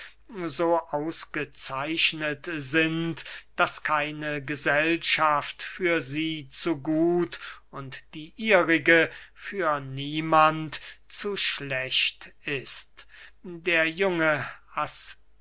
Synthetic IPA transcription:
zoːʔaʊsɡ̥ət͡saɪʃnətzɪntd̥askʰaɪnəɡəzɛlʃaftfyːɐziːt͡suɡuːtʊntd̥iːʔiːʁɪɡəfyːɐniːmantt͡suʃlɛɕtɪstdeːɐjʊŋəas

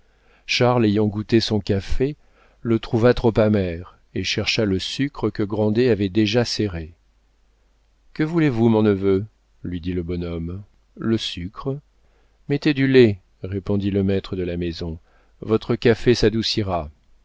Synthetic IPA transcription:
ʃaʁlejɑ̃ɡut̪esɔ̃kafe | lət̪χuvat̪χopamɛʁ | eʃɛʁʃaləsykχəkəɡʁɑ̃d̪eavɛd̪eʒaseʁe | kəvulevumɔ̃nəvø | lɥid̪iləbɔnɔm | ləsykχə | met̪ed̪yle | ʁepɔ̃d̪iləmɛt̪χəd̪əlamezɔ̃ | vɔt̪χəkʲafesad̪usiʁa

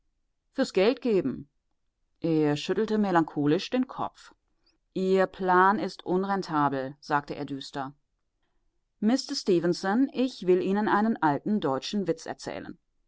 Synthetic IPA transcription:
fyːɐsɡ̥ɛltɡ̥eːbm̩ | ʔeːɐʃʏtl̩təmelaŋkʰoːlɪʃd̥eːnkʰɔ̰p͡f | ʔiːɐpʰlaːnɪstʔʊnʁɛntʰaːbl̩z̥aːk̚təʔḛːɐdyːstɐ | mɪstɐstiːvənsɔnʔɪçv̥ɪlʔiːnənʔaɪnənʔaltn̩dɔʏt͡ʃn̩vɪt͡sɛ̰ɐt͡sɛ̰ːlə̰n

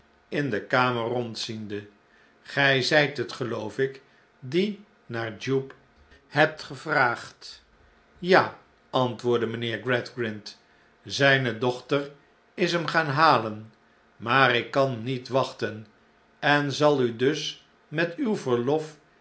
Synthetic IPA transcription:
ɪndəkaːmərɔntsində | χɛjzɛjtɦətχəlowfɪk | di | naːɹd͡ʒup | hɛp̚tχəvraːχt | jaː | ɑntʋʊːɹdəməneːɹɡrɛtɡɹɪnt | zɛjnədɔχtər | ɪsɦəmχaːnɦaːlən | maːɾɪkːɑnːitʋɑχtən | ɛnzɑlˠydɵs | mɛtywvəɹlɔf

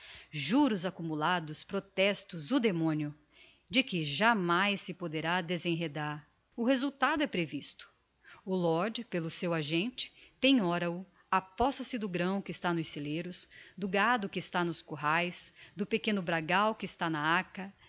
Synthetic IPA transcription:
ʒuɾʊzakumulad̪ʊspɾot̪ɛst̪ʊzʊd̪emõnjʊ | d͡ʒɪkɪʒamajsːɪpod̪eɾad̪ezẽj̃ɦed̪aɾ | ʊɦezuwt̪ad̪ʊɛpɾevist̪ʊ̥ | ʊlɔɾd͡ʒpelʊsewaʒẽnt͡ʃɪ̥pẽɲɔɾɐʊ | apɔsɐsɪd̪ʊɡɾɐ̃w̃kɪːst̪anʊseleɾʊsd̪ʊɡad̪ʊkɪːst̪anʊskoɦajsd̪ʊpekẽnʊbɾaɡawkɪːst̪anɐakɐ

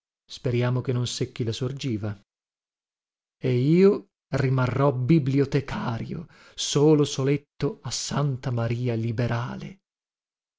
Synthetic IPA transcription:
speɾjaːmokenːonsekːilasord͡ʒiːva | eiːo | rimarːɔbibliot̪ekʰaːɾjo̰ | soːlosolet̪ːoasːant̪amaɾiːalibeɾaːlḛ

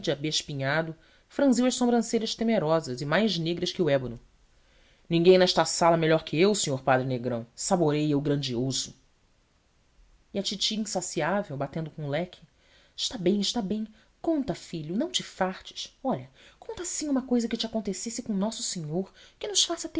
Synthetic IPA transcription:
d͡ʒɪabeʃpĩɲad̪ʊ | fɾɐ̃ziwɐʃsõmbɾɐ̃sejɾɐʃt̪emeɾɔzɐzɪmajzneɡɾɐʃkɪʊɛbʊnʊ | nĩɡẽj̃nɛʃt̪ɐsalɐmeʎɔɾkʰɪewsẽɲoɾpad̪ɾɪneɡɾɐ̃w̃saboɾejeʊɡɾɐ̃nd͡ʒiozʊ | iɐt͡ʃit͡ʃiĩsasiavewbat̪ẽnd̪ʊkõlɛkʰɪ̥ | ɪʃt̪abẽj̃ɪʃt̪abẽj̃ | kõnt̪ɐfiʎʊnɐ̃w̃t͡ʃɪfaɾt͡ʃɪ̥ʃɔʎɐkõnt̪ɐasĩũmɐkojzɐkɪt͡ʃɪakõnt̪esesɪkõw̃nɔsʊ̥seɲoɾkɪnʊʃfasɐt̪e

